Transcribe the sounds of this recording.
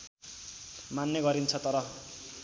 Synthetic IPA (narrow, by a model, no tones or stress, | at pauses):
manːeɡʌɾint͡sʰʌt̪ʌɾʌ